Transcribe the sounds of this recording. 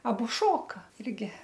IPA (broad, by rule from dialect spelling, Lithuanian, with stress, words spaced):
ɐˈbʊ ˈʃoːkɐ ˈɪrʲɡʲɪ